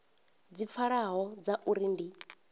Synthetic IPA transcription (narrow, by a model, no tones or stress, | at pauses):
d͡zip̪fʰaɺaɦɔd͡zaʔuɾindi